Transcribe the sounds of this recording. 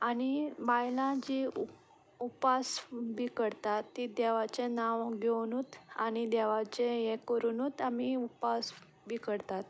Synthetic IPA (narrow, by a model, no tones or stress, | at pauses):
anibajlãd͡ʑi | upasbʱikəɽt̪at̪ːid̪ɛʋat͡ɕenãʋɡʱewnut̪aɽ̃id̪ɛʋat͡ɕejɛ̃kəɾuːnuːt̪amiupas | bʱikəɽt̪at̪